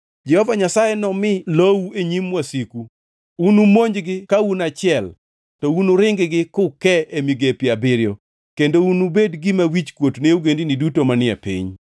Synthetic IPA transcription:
d͡ʒɛhɔvaɲasajɛnɔmɪlowueɲimwasiku | unumoɲd͡ʒɡɪkaunat͡ʃɪɛl | tɔunuɾɪŋɡɡɪkʊkɛemiɡepjabɪɾjo̰ | kendounubedɡɪmawit͡ʃkwotneuɡendinidutomanɪɛ̰pḭɲ

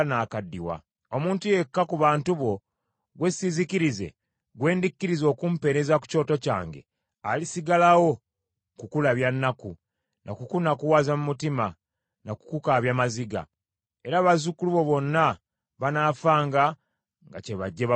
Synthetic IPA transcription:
naːkadːiwa̰ | o̞muːntuje̞kːakuβaːntuβo̞ | ɡwe̞sizikiɾize̞̰ | ɡwe̞ːndikːiɾizo̞ːkumpe̞ɾe̞zaku̥co̞ːto̞ca̰ːŋɡe̞̰ | alisiɡalawo̞ | kukulaβjanːaku | nʔa̰kukunakuwazamumutima | naku̥kukaβjamaziɡa̰ | e̞ɾaːβazukuluβo̞βo̞nːa | βanaːfaːŋɡa | ŋɡa̰ce̞βaɟːeβ

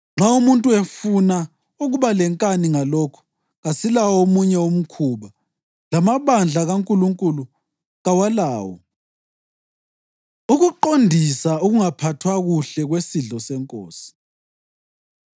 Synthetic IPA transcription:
ŋ͡ǁaumuntʼuefuna | uɣuβalɛŋkʼaniŋalɔkʰɔ̥ | ɣasilawomuɲɛom̩kʰuβa | lamaβand͡ɮʱaɣaŋkʼuluŋkʼulu | ɣawalaːwɔ̰ | uɣuǃondʱisauɣuŋapʰatʰwaɣuɬɛɣwesiɮɔsɛŋkʼo̰ːsi̥

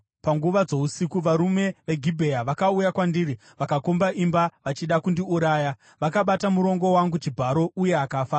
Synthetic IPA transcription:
paŋɡuʋad͡zo̞usikuʋaɾume̞ʋe̞ɡʱibʱejaʋakaujakwandiri | ʋakakombaʔimbaʋat͡ʃiɗakundiuɾaːja | ʋakaɓatamuɾo̞ŋɡo̞waŋɡut͡ʃibʱaɾo̞uje̞akaːfaː

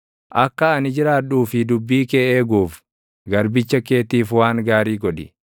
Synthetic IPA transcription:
ʔɐkːɐːnɪd͡ʒɪɾaːᶑuːfɪd̪ʊbːiːkeːʔeːɡuːf | ɡɐɾbɪt͡ʃːɐke̞ːt̪iːfwaːŋɡaːɾiːɡɔᶑɪ

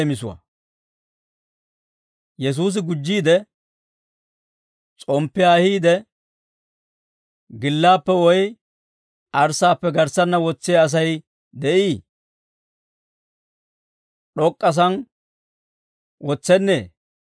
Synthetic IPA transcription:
mɪsʊwɐ̰ | jɛs̬uːs̬ɪɡʊd͡ʒːiːd̪ɛ | t͡sʼɔmpːɪaːhiːd̪ɛ | ɡɪlːaːpːɛwɔj | ʔɐɾsaːpːɛɡɐɾsɐnːɐwɔt͡sːɪjaːs̬ɐj | d̪ɛʔiː | ɗɔkʼːɐs̬ɐn | wɔt͡sːɛnːeː

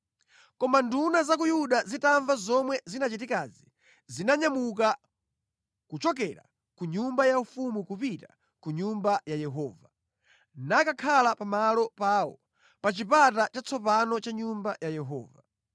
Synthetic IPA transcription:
kɔmandunazakujuɗazitaɱvazɔmwɛzinat͡ʃitikazi | zinaɲamuka | kut͡ʃɔk̬ɛɾa̰ | kuɲumbajaufumukupita | kuɲumbajajɛɦɔːva | nakakʰalapamalɔpaːwɔ̰ | pat͡ʃipatat͡ʃat͡sʰɔpanɔt͡ʃaɲumbajajɛɦɔ̰ːva

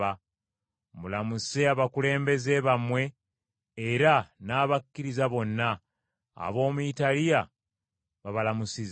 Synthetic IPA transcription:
a | mulamuse̞aβakule̞ːmbe̞ze̞βamwe̞ː | ɾanaːβakːiɾizaβo̞nːa̰ː | βo̞ːmuitalija | βaβalamusiz

